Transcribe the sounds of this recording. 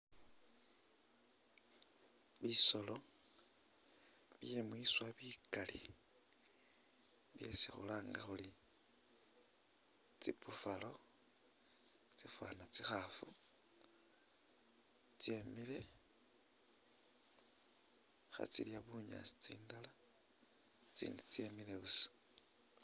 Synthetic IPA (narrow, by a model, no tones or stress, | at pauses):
βiso̞lo̞ | βjemwiːswaβiːkalḭ | βje̞sixṵlaːŋɡaxuli | t͡sipufalo̞ | t͡sifwa̰nat͡sixafu | t͡siemile̞ | xa̰t͡siljaβuɲa̰ːsi̥t͡siːndala | t͡sḭːndit͡siemileβusḁ